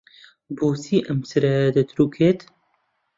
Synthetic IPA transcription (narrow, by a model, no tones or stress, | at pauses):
boːsiːʔəmsɨɾɛd̪ət̪ʰɾukʰet̪